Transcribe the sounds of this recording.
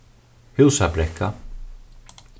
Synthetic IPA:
hʉwsabɾɛkʰːa

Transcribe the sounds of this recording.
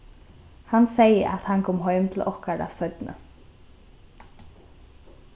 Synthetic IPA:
hansejəʔa̰t̪hankʰɔːmɦɔʏmt̪ʰɪlɔhkaɾa̰sœʏt̪nə̰

